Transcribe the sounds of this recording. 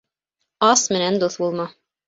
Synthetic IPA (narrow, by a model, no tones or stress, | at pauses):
ɑsmɘ̆nænd̪uθbulˠmɑ